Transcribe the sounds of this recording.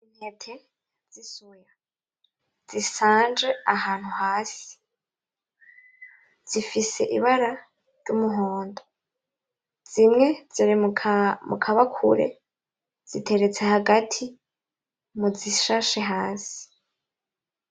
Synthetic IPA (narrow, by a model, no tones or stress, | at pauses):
iɲhetʰe | z̥isuja | z̥isaːnd͡ʒe̞aɦaːn̥huhaːsi̥ | z̥ifise̞̰ʔiβaɾa | ɾjumuɦoːndo | z̥imŋe̞ziɾimukʰaβakʰṵɾe̞̰ | z̥itʰe̞ɾe̞t͡se̞haɡatʰi | muziʃaʃeɦaːsi̥